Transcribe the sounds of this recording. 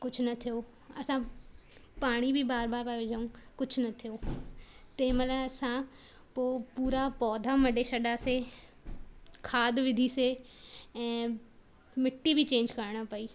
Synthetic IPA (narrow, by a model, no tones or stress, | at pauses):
kʊt͡ʃʰnɐt̪ʰijoː | ɐsã | paːɽ̃ibʱibaːɾbaːɾpaʋɪd͡ʒʱaũː | kʊt͡ʃʰnɐt̪ʰijoː | t̪ẽːmɐləɐsã | poːpuːɾapɔːd̪ʱamɐɖeʃɐɗase | kʰaːd̪ʋɪd̪ʱise | ɛ̃ː | mɪʈːibʱit͡ʃẽːɲd͡ʒkɐɾɽ̃apɐiː